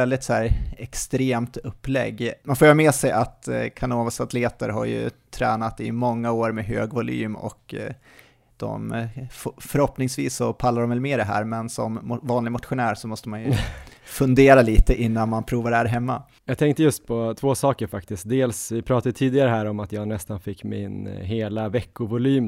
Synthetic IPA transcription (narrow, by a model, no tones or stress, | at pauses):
ɛld̪ɪt̪sɔæːɾɛkst̪ɾeːmt̪ɵpːlɛ̰ɡːmanfoːjɑɾmeːsɛjʔat̪kʰanoːvasat̪ʰleːt̪əɾɦa̰ɾjɵ̰t̪ʰɾɛːnat̪ɪ̰mɔŋːaoːɾmɛɦøːɡvʊly̰ːmɔ̰k | d̪̥ɔ̰mffœɾhɔpnɪŋsvḭːsːɔpʰalːaɾɔmvɛlmeːɖ̪ɛɦæ̰ːɾmɛnsɔmvɑːnlɪɡmʊt̪ɧʊnæːɾʂɔmɔst̪əmanjɵfɵnd̪eːɾaliːt̪əʔɪnːanmanpʰɾuːvaɖɛhæːɾɦɛmːa̰ | jɑːɡ̚t̪ʰɛŋk̚t̪əjɵst̪̚pʰɔt̪ʰvoːsɑːkəɾfak̚t̪ɪst̪̚d̪eːlsvɪpʰɾɑːt̪ad̪ət̪ʰiːd̪ɪɡaɾəɦæːɾɔmat̪jɑːɡnɛst̪anfɪkːmɪ̰nɦeːlavɛkːʊvʊlyːm